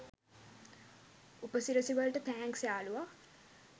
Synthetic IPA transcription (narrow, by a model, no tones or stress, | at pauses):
upəsiɾəsiʋəlʈət̪æːŋksjaːluʋa